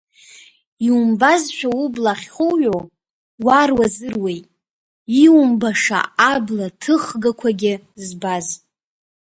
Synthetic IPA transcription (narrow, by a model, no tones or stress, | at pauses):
iumbazʃᶣaublaχʲχuɥo | warwazɨrwe̞jtʼ | iwumbaʂa̰ʔablatʰɨχɡakʷʰaɡʲɪ | zbaz